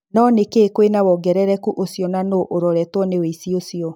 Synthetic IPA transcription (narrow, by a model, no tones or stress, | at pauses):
nɔnekeːkwenawɔɡɛɾɛɾɛkuʔosijɔnanoʔoɾɔɾɛtwɔneweisiosiɔ